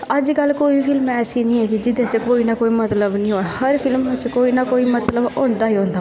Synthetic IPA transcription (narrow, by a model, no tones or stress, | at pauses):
əd͡ʒkəlkoːipʰɪlmɛːsinĩɦɛkid͡ʒɪd̪et͡ʃkoːinakoːimɐt̪ləbnĩɦõahɐɾpʰɪlmːet͡ʃkoːinakoːimɐt̪ləbõːnd̪aɦiɦõːnd̪a